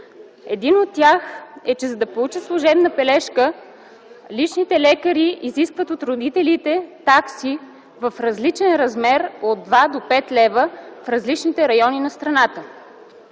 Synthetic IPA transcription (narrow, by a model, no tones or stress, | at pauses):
ɛd̪inot̪ːjaxɛt͡ʃɛzɐd̪ɐpolˠut͡ʃəslˠoʒɛbnəpɛlɛʃkə | lit͡ʃnit̪ɛlɛkəɾiiziskvət̪ot̪ɾʊd̪it̪ɛlit̪ɛt̪aksi | vəfɾɐzlit͡ʃɛnɾɐzmɛɾod̪̚d̪vad̪opɛt̪lɛvəfɾɐzlit͡ʃnit̪ɛɾɐjɔninɐst̪ɾɐnat̪ə